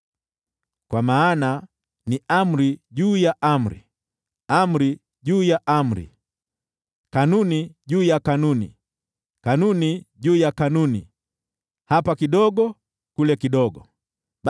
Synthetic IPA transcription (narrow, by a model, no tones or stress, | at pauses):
kwamaːna | niam̩ɾiʄuːjaʔam̩ɾḭ | am̩ɾi | ʄuːjaʔam̩ɾḭ | kanuniʄuːjakanunḭ | kanuniʄuːjakanuni | hapakiɗɔɠɔ | kulɛkiɗɔɡɔ